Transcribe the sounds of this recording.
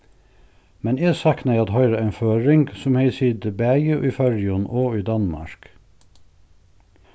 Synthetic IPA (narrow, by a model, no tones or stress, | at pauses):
mɛneːsæknəeɪɑt̪hœʏɾəæɪnføːɹɪŋɡsʊmheɪsiːd̪əbæːjəʔiːfœɹjʊnʔoːiːd̪ɑnmɑ̰ɹk